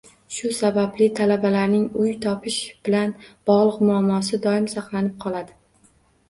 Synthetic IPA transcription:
ʃʊsabablɪt̪ʰalabalaɾnɪŋʊjt̪ʰɒpʰɪʃb̥ɪlanb̥ɒʁlˠɨqmʊamːɒsɪd̪ɒɪmsɑqlˠanɪp̚qʰɒlˠad̪ɪ

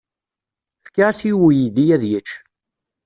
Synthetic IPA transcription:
fə̥kːaʁsiwujid̪ijæðjət͡ʃː

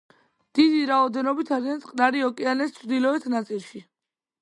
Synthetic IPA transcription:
d̪̥id̪iɾaɔd̪ɛnɔbit̪ʰaɾiansʼqʼnaɾiɔkʼɛanɛst̪t͡ʃʰɾd̪ilɔɛt̪ʰnat̪sʼilˠʃi

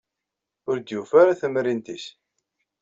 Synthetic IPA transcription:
ʊɾd̪jufaɾaθəmɾint̪is

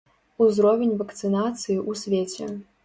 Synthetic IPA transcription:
uzɾɔvʲenʲvɐkt̪sɨnat̪sɨjiʔusʲvʲet͡sʲɛ̰

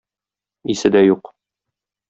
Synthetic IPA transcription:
isɘd̪æjuq

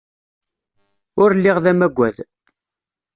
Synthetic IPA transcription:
ʊɾlːiʁðæmæɡʷːæð

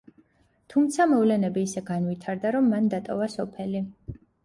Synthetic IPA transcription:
t̪ʰumt̪sʰamɔvlɛnɛbiːsɛɡanwit̪ʰaɾd̪aɾɔmːand̪at̪ʼɔvasɔpʰɛli

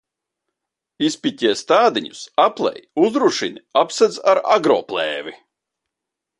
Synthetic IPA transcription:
ispʲicʲiɛst̪aːd̪iɲusaplˠɛ̰juzɾuʃiniapsɛd̪zaɾa̰ɡɾɔ̰ːplˠɛːvi

